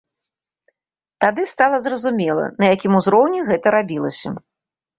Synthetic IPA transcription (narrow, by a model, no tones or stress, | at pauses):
t̪ad̪ɨst̪alˠɐzrɐzumʲɛlˠɐ̰nɐjakʲimuzɾɔwnʲiɣɛt̪ɐɾabʲilˠɐsʲɐ̰